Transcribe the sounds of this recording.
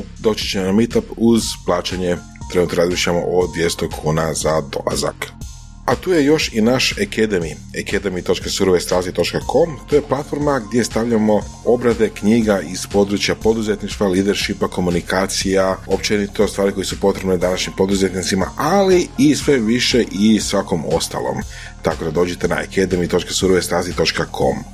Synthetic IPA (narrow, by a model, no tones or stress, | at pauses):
d̪o̞t͡ʃi̥t͡ɕemonamit̪apuzplˠaːt͡ɕeɲe̞ | t̪ɾe̞nuːt̪oɾazmiʃʎamo̞̰ʔod̪ʋje̞st̪okʰuːnazad̪o̞̰lˠa̰za̰k | at̪uːje̞jo̞ʃinaʃekʰed̪emi | eked̪emijt̪o̞t͡ʃkasuɾoʋest̪ɾat̪it̪o̞t͡ʃkakʰo̞mt̪oje̞plˠat̪fo̞ɾmaɡd̪je̞st̪aʋʎamo̞ | o̞bɾad̪e̞kɲiːɡaiz̥po̞d̪ɾut͡ʃjapo̞d̪uzet̪niʃt̪ʋaliːd̪eɾʃipako̞munikaːt̪sijao̞pt͡ʃenit̪o̞st̪ʋaːɾikojesupo̞t̪ɾe̞bned̪anaʃɲimpo̞d̪uzet̪nit̪sima̰ʔaliːsʋe̞ʋiʃe̞ʔisʋako̞mo̞̰st̪a̰lˠo̰m | t̪akod̪ad̪o̞ːd͡ʒet̪e̞na̰ḛked̪emit̪o̞t͡ʃkasuɾoʋest̪ɾazit̪o̞t͡ʃkakʰo̞̰m